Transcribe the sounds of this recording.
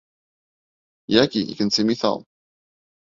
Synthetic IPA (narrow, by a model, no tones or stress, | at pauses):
jækiḭkənt͡sːimiθɑ̰